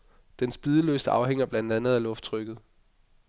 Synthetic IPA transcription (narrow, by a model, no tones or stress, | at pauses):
d̥ensb̥iðˠəlø̰ːsd̥əɑ̈ʊɦeŋ̰ɐb̥lænd̥ænð̞̩ˠælɔ̽fd̥t͡sʰʁœɡ̥ð̞̩ˠ